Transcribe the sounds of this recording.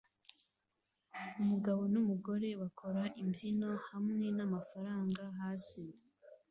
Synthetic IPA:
umuɡaβo̞numuɡo̞ɾe̞βakʰo̞ɾaʔimbjino̞hamŋe̞namafaɾaːŋɡaɦaːsi

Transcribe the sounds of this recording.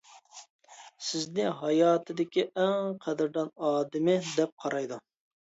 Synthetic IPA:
sɪznɪɦɑjɑːt̪ʰɨd̪ɪkʲiʔæŋqʰɛd̪ɪɾd̪ɑnɑːd̪ɪmɪd̪ɛp̚qʰɑɾʔɑjd̪u

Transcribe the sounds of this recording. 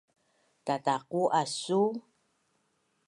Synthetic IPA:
tat̪akuʔasu

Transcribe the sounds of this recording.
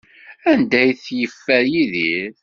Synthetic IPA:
ænd̪æjθjəfːæɾjiðiɾ

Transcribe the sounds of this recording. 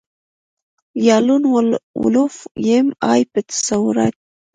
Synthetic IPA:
jɑlunwwṵlufjemɑjpət̪ḁsawʊɾa̰t̪̚

